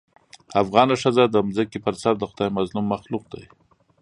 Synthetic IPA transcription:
afɣɑnaʂazad̪əmzəkipəɾsaɾd̪əxʊd̪ɑjmazlumːaxluq̚d̪a̰j

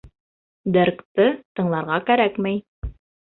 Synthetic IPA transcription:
d̪ɘɾkt̪ɤt̪ɤ̆ɴlˠɑɾʁɑkæɾækmæj

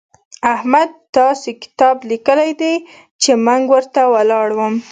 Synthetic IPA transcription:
ahmad̪̚t̪ɑsekɪ̥t̪ɑblikəlajd̪ej | t͡ʃeməŋɡwəɾt̪awalɑɽwəm

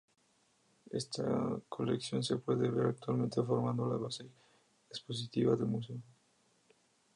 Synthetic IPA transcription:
ḛst̪a̰kʰoleksjonsepweðeβeɾak̚t̪walment̪efoɾmãnd̪olaβase | espos̬it̪iβaðemuseo

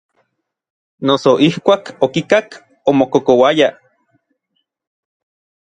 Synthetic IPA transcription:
nosoʔihkʷaːkokikak | omokokowaja

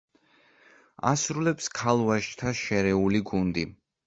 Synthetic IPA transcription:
a̰sɾulɛpskʰalˠvaʃt̪ʰaʃɛɾɛuliɡund̪i

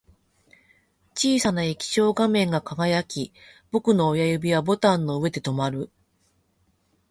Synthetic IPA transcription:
t͡ɕiːsanaekʲi̥ɕo̞ːɡamẽ̞ŋɡakaɡajakʲib̥o̞kɯ̟no̞ːjajɯ̟bʲiβabo̞t̪ãnːo̞ɯ̟e̞d̪e̞t̪o̞maɾɯ̟

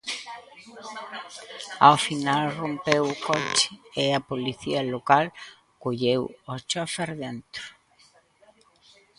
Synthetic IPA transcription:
a̰wfinalrompewʊkɔt͡ʃɪ̥eapoliθiɐlokal | koʎewɔst͡ʃofeɾðent̪ɾʊ

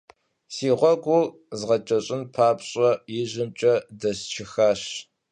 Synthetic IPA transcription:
siːʁʷɔɡʷu | zʁɐt͡ʃʼɐɕʼɪnpʰaːpɕʼɐjɪʑɪmt͡ʃʼɐdɐst͡ʃʰɪxaːɕ

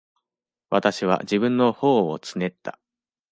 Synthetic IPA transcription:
βat̪aɕiβ̞a̰d͡ʑibɯ̟̃nːo̞ho̞ːo̰t͡sɨ̥ne̞t̪ːa̰

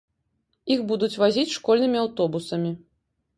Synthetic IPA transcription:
ixbud̪ut͡sʲvazʲit͡sʲʂkɔlʲnɨmʲiawt̪ɔbusɐmʲi

